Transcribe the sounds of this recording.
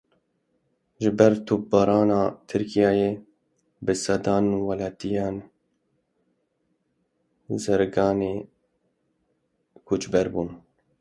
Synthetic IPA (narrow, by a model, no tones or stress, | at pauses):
ʒɪbɛɾt̪ʰup̚bɑːɾɑːnɑːt̪ʰɨɾkʰijɑːjeː | bɨsɛd̪ɑːnuwɑlɑːt̪ijɑːn | zɛɾɡɑːneː | kʰut͡ʃbɛɾbuːn